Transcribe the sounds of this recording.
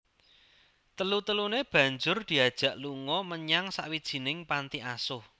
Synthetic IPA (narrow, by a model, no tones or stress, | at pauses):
t̪əlut̪əluneb̥ä̤ɲd͡ʒʊrd̪̥i̤ad̥ʒ̥ä̤ʔluŋɔməɲaŋsa̰ʔwid̥ʒ̥i̤nɪŋpant̪iʔasʊh